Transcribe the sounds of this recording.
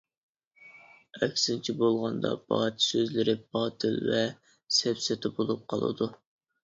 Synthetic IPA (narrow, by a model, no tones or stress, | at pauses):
ɛkʲsɪnt͡ʃʰibolˠʁɑnd̪ɑ̰b̥ɑt̪ʰsøzlɪɾɪbɑːt̪ʰɪlvɛ | sɛpsɪt̪ʰɪbolˠup̚qʰɑlˠɨ̰d̪u